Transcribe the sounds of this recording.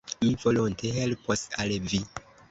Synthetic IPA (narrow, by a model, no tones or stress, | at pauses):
mivolontʰeɦelpʰosalvi